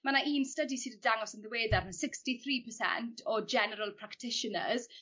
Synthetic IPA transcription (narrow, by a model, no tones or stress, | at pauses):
manaʔiːnstədisiːdədaŋɔsənðəweːdarənsɪkstiθriːpʰəsɛ̰ntʰɔd͡ʒɛnəɾəlˠpʰɹ̥aktʰɪʃənə̰z̥